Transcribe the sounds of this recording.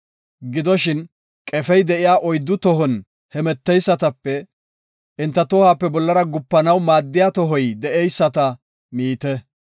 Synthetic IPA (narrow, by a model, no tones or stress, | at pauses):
ɡɪd̪ɔʃɪn | kʼɛfɛjd̪ɛʔɪjaːʔɔjd̪ːʊt̪ɔɦɔn | hɛmɛt̪ːɛjsːɐt̪ɐpːɛ | ɪnt̪ːɐt̪oːhaːpːɛbɔlːɐɾɐɡʊpːɐnɐwmaːd̪ːɪjaːt̪ɔɦɔjd̪ɛʔɛjsːɐt̪ɐ | miːt̪ɛ